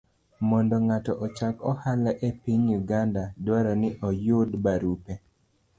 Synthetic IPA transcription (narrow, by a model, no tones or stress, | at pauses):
mɔndɔŋatɔʔɔt͡ʃakɔhalaʔepiɲjuɡandadwaɾɔnɪʔɔjʊdbaɾupe